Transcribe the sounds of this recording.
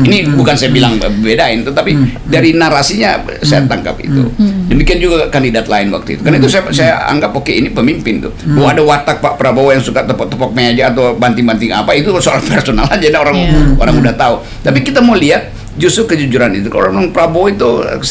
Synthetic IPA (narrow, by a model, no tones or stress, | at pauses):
inibukansajabilaŋbəbedaɪnt̪ut̪apidaɾinaɾasiɲa̰ | sajat̪aŋka̰p̚ḭt̪ṵdəmikiand͡ʒuɡakandidat̪laɪnwa̰k̚t̪uḭt̪u̥karnait̪usajasajaa̰ŋɡapokeinipəmimpɪnt̪ubawaadawat̪ak̚paʔpəɾabojaŋsukat̪əpɔt̪əpɔk̚məɲad͡ʒaːt̪awbant̪ɪŋbant̪ɪŋa̰pait̪usoaɾapɛrsonalad͡ʒanaoɾaŋoɾaŋudaht̪au | t̪apikit̪amauliat̪̚ | d͡ʒust̪ɾukəd͡ʒud͡ʒuɾanḭt̪uka̰llaŋpəɾaboit̪ṵ